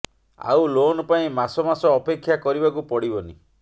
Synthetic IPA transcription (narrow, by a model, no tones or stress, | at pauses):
a̰ulonɔpaĩmasɔmasɔːpekʰːjakɔɾibakupɔɽibɔni